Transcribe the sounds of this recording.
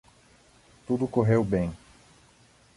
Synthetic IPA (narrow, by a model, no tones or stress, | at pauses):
t̪ud̪ʊkoɦewbẽj̃